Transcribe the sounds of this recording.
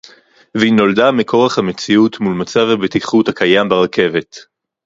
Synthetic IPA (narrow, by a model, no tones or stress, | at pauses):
veino̞ldamekʰo̞ʁaχhamet͡siut̪mulmat͡savhabet̪iχuthakajambeʁakʰe̞ve̞t